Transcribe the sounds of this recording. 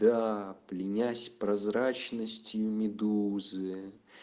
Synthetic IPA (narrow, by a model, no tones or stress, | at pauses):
d̪aplʲɪnʲasʲpɾazɾat͡ʃnəsʲt͡sʲjumʲɪd̪uzɨ